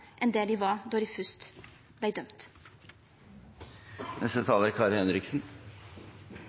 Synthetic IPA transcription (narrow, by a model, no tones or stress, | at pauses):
ʔɛnd̪eːliːʋɑːd̪ɔɾifʉst̪ | b̥læɪd̪œmt̪ | nɛst̪ət̪ʰɑːləɾkʰɑːɾhɛnɾɪksn̩